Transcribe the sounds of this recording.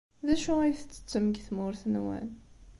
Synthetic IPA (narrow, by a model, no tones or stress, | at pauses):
ðæʃuæjθət͡sːə̥t͡sːəmɡθmʊɾθənwæ̰n